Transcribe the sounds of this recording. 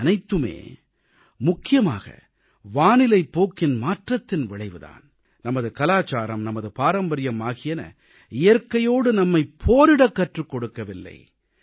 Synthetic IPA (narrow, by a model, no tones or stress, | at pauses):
ɐnɐɪt̪ːɯmḛː | mʊkːɪjɐma̰ːɣɐ̰ | ʋaːnɪlɐɪpːoːkɪnmaːʈrɐt̪ːɪnʋɪɭɐɪʋɯða̰ːn | nɐmɐðɯkɐlaːt͡ʃaːɾɐmnɐmɐðɯpaːɾɐmbɐɾɪjɐmaːɣɪjɐnɐ̰ | ɪjɐɾkɐjoːɽɯnɐmːɐɪpʰːoːɾɪɽɐkːɐʈrɯkːɔɽɯkːɐʋɪlːɐ̰ɪ